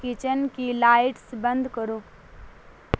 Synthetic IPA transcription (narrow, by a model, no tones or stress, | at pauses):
kit͡ʃənkilaːɪʈsbə̃nd̪ʱkəɾũː